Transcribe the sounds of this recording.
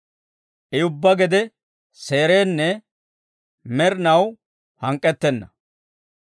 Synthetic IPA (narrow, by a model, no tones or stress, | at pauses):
ʔɛʊbːɐɡɛd̪ɛ | se̞ːɾeːnːɛ | mɛɾɪnɐw | hɐŋkʼːɛt̪ːɛnːɐ